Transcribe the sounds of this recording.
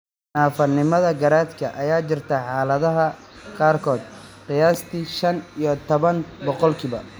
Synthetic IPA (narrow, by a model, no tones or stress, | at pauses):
naːfɐnɪmɐðɐɡɐɾaːd̪kʰɐʔɐjaːt͡ʃɪrt̪ʰɐħɑːlɐðɐɦɐ | qaːrkʰɔːd̪̚ | qɪjaːst̪ʰiʃɐnijɞt̪ʰɔβɐnbɔqɔlkʰiβɐ